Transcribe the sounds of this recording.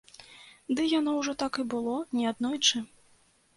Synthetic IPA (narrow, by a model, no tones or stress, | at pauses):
d̪ɨjanɔwʐɔt̪akibɨlˠɔnʲɛad̪nɔjt͡ʂɨ